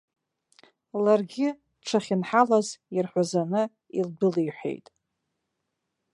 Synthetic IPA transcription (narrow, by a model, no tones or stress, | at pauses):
larɡʲɪ | ʈ͡ʂʰaχʲɪnħalazirħʷazanɨ | ilbɨlijħʷḛjtʼ